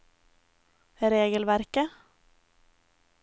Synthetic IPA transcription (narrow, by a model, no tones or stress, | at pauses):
ɾeːɡəlʋæɾkə